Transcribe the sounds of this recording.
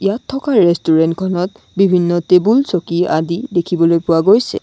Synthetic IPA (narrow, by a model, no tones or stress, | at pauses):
ijatʰːɔkaːestuɹɛntkʰɔnɔt̚ | bibʱinːɔtebulsokiadidekʰibɔlojpʊwaɡojsɛ̰